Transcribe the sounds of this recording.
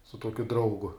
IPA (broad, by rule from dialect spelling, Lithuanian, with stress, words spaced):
sʊ ˈtuɔkʲʊ ˈdrɐʊɡʊ